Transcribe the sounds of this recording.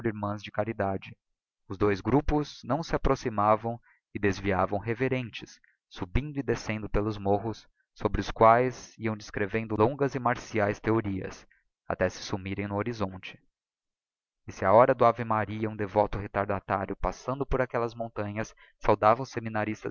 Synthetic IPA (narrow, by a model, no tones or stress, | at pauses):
ɾiɾmɐ̃zd͡ʒɪkaɾid̪ad͡ʒɪ | ʊzd̪ojzɡɾupʊznɐ̃w̃sɪapɾosimavɐ̃w̃ | ɪd̪ezviavɐ̃w̃ɦeveɾẽnt͡ʃɪsː | ubĩnd̪ʊɪd̪esẽnd̪ʊpelʊzmoɦʊsː | obɾɪʊskwajziɐ̃w̃d͡ʒɪskɾevẽnd̪ʊlõŋɡɐzɪmaɾsiajst̪eoɾiɐ̰s | a̰t̪ɛsɪ̥sumiɾẽj̃nʊoɾizõnt͡ʃɪ̥ | ɪsɪaɔɾɐd̪ʊavemaɾiɐũd̪evɔt̪ʊɦet̪aɾd̪at̪aɾjʊpasɐ̃nd̪ʊpoɾakɛlɐzmõnt̪ɐ̃ɲɐsː | awd̪avɐ̃w̃seminaɾist̪ɐ